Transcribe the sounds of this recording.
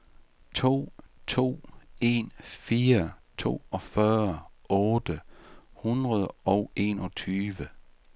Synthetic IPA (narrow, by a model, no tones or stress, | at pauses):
t͡sʰo̝̰ːt͡sʰo̝̰ːe̝nfiːɐt͡sʰo̝̰ːɒ̽fɶɐɔ̽ːd̥əhunʁɐðˠɒʊʔe̝̰ːnɒ̽t͡sʰyːʋə